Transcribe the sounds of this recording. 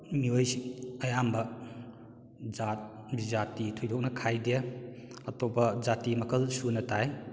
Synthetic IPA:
miojsɐjambɐ | d͡ʒat̚bizatitʰojdɔk̚nɐkʰajdeaɐtobɐd͡ʒatimɐkʰɐlsunɐtaj

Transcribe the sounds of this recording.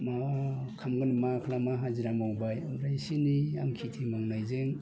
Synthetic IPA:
makʰamɡɯnimakʰlamaɦaziɾamawŋbajmɾajsinia̰mkʰitʰimaŋnajzeŋ

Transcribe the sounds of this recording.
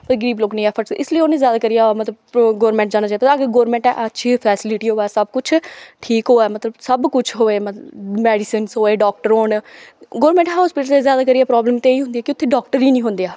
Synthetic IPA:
pəɾɡəɾiːbloːknĩːɛːpʰəɾʈsɪsləiːoːnẽːzjaːd̪aːkəɾijaːmət̪ləbɡoːɾmɛ̃ːɳʈ̚d͡ʒãːñaːt͡ʃaːijpəɾaːɡeːɡoːɾmɛ̃ɳʈɛ̰ːʔətːʃʰiːpʰɛːsɪlɪʈiːɦoːɛːsəb̚kʊt͡ʃʰʈʰiːkɦoːɛːmət̪ləbsəbkʊt͡ʃʰɦoːeːməmɛːɖɪsənsɦoːeːɖɔːk̚ʈəɾoːnɡoːɾmɛ̃ːɳʈɦaːspɪʈəlseːzjaːd̪aːkəɾiːaːpɾɔːbləmt̪eːiːɦʊ̃nd̪ijɛːkɪʊt̪ʰːeːɖɔːkʈəɾiːnĩːɦʊ̃nd̪iaː

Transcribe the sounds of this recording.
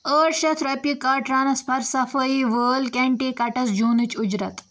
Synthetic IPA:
əːʈʃɐt̪ʰɾɐpikaːʈɾaːnɐspʰɐɾsɐfəiːʋəːlkeɳʈiːkɐʈɐsd͡ʒuːnɨt͡ʃʊd͡ʒɾɐt̪

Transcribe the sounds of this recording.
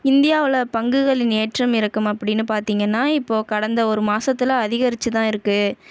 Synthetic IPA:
ɪnd̪ɪjaːʋɪɭɐpɐŋɡɯɣɐɭɪneːʈrɐmɪɾɯkːɯmɐpːɐɽɪnːɯpaːɾt̪iːŋɡɐnːaːɪpːoːkɐɽɐnd̪ɐɔɾɯmaːsɐt̪ːɪlɐɐðɪɣɐɾɪt͡ʃːɯt̪ãːɪɾɯkːɯ

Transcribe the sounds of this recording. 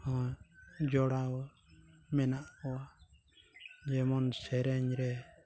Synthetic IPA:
hɔ | d͡ʒɔɾa | mɛnaa | d͡ʒɛmɔnsɛɾɛɲɾɛ

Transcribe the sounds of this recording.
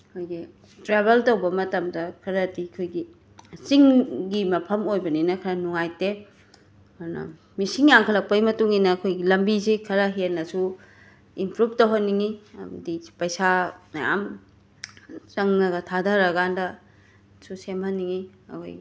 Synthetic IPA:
kʰojɡi | tɾebeltɐwbɐmɐtɐmdɐkʰɐɾɐtikʰojɡi | siŋɡimɐpʰɐmojbɐninɐkʰɐɾɐnuŋajte | ɾnɐ̰ | misiŋjaŋkʰɐlɐk̚pɐjmɐtuŋinɐːkʰojɡilɐmbizikʰɐɾɐɦenːɐsu | impɾub̚towɦɐnːiŋiɐ̰mɐdipɐjsaja̰m | t͡ʃɐŋnɐɡɐtʰadɐɾɐɡandɐ | susemhɐnːiŋi | ɐ̰kʰo̰ji

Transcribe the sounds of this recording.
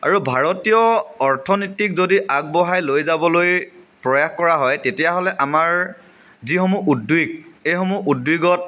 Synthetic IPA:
a̰ɹubʱaɹɔtijɔɔɹtʰɔnitik̚zodiʔak̚bɔɦajlojzabɔloj | pɹɔjaxkɔɹaɦɔjtetijaɦɔlɛʔamaɹ | zixɔmuʔudwiɡ̚ejxɔmuʔudwiɡɔt̚

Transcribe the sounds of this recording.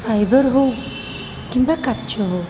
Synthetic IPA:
fajbəɾɦow | kĩmbakat̪t͡ɕəɦow

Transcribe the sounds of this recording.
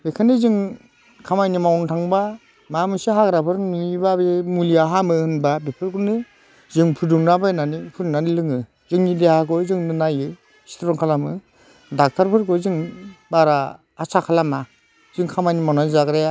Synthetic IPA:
bekʰanɯzɯŋ | kʰamajnimawntʰaŋba | mamɯsɯɦaɡɾapʰɯɾnibabemuliaɦamɯhɯnbabepʰɯɾkunɯ | zɯŋpʰɯduŋnabajnanipʰɯɾnanilɯŋɯ | zɯŋnidehakɯzɯŋnɯnajɯ | si̥tʰɾɔŋkʰalamɯ | dak̚tʰaɾpʰɯɾkɯzɯŋbaɾaː | sʰakʰalama | z̥ɯŋkʰamajnimawnazakɾaja

